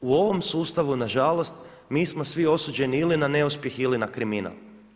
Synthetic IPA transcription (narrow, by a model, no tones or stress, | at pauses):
uo̞ʋo̞msuːst̪aʋunaʒalo̞st̪ | miːsmo̞sʋio̞suːd͡ʑe̞niilinane̞uspje̞xilinakɾimina̰lˠ